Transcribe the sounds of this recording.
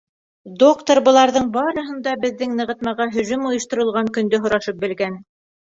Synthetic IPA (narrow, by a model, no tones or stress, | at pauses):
d̪okt̪orbɤ̆lˠɑɾðɤɴbɑɾɤ̆ɦɤ̆nd̪ɑbɘ̆ðːɘŋnɤ̆ʁɤ̆t̪̚mɑʁɑɦɵ̆zɵmojɤ̆ʃt̪ɤ̆ɾɤ̆lˠʁɑŋkɵ̆nd̪ɵɦŏɾɑʃɤp̚bɘ̆lɡæn